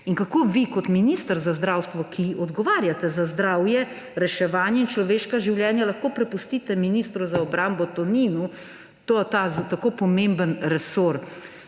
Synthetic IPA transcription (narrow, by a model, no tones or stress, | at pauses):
iŋkakoːʋikɔt̪minist̪əɾzazd̪ɾawst̪ʋɔkʰiɔd̪ɡɔʋaːɾjat̪ɛzazd̪ɾaːwjɛ | ɾɛʃɛʋaːnjɛint͡ʃlɔʋeːʃkaʒiwljɛːnjalɐxkoːpɾɛpust̪iːt̪ɛminist̪ɾuzaɔbɾaːmbɔt̪ɔniːnu | t̪ot̪at̪akoːpɔmẽmbənɾɛsoɾ